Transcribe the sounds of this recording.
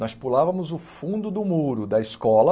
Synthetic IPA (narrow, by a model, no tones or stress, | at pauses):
nɔspulavɐmʊzʊfũd̪ʊd̪ʊmuɾʊd̪ɐiskɔlɐ